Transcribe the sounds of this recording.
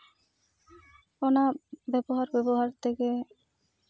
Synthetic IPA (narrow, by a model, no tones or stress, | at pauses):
onabɛboɦaɾbɛboɦaɾt̪ʰeke